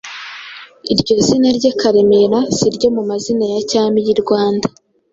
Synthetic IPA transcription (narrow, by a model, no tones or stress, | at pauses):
iɾɟo̞zinaɾɟekaɾemeɾaz̥iɾɟo̞mumazinajacaːmijiɾɡwaːndḁ